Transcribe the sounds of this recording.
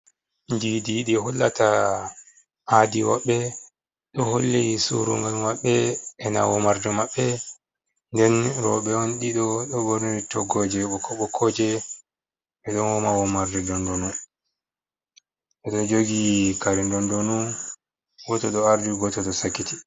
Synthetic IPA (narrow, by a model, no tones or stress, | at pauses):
ndidiɗiɦɔlːa̰ta | ʔadiwaɓːɛ | ɗɔholːejisṵɾṵŋɡalmaɓːɛɛna̰wɔmaɾdɛmaɓːɛ | ndɛnɾɔɓɛɔnɗiɗɔɗɔboɾniɾitɔɡɔd͡ʒɛɔkɔɓɔkʰɔd͡ʒɛ | ɛɗɔnwɔmawɔmaɾdɛdɔndɔnun | ɛɗɔd͡ʒoɡikaɾindɔndɔnun | ɡɔtɔɗɔaɾdiɡɔtɔɗɔsakːiti